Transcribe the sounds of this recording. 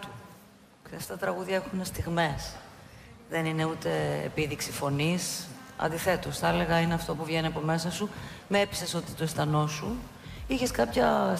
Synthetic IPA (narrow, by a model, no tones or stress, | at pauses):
u | kseɐst̪ɐt̪ɾɐɣuðʝɐexunest̪iɣme̞s | ðenine̞ut̪e̞ḛpiðiksifo̞nisɐ̰nd̪iθe̞t̪osθɐele̞ɣɐineɐft̪o̞puvʝeniɐpo̞me̞sɐsumeepi̥se̞so̞t̪i̥t̪o̞est̪ɐno̞su | içe̞skɐpçɐ